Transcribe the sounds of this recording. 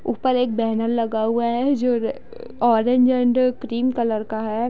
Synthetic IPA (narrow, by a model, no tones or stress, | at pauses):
ʊpəɾeːk̚bɛɦnəɾlɐɡauaɦɛd͡ʒoːɾ | ɔːɾẽɲd͡ʒə̃ɳɖkɾiːmkɐləɾkaɦɛ